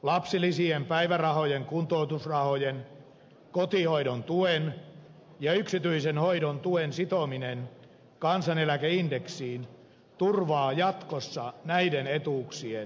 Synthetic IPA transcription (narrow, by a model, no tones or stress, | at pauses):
lɑpsilisiempæiʋærɑhojeŋkunt̪out̪usrɑhojen | kot̪ihoiɾont̪uen | jɑyksit̪yisenhoidont̪uensit̪ominen | kɑnsɑnelækeindeksiːn | t̪urʋɑːjɑt̪kosːɑnæidenet̪uːksien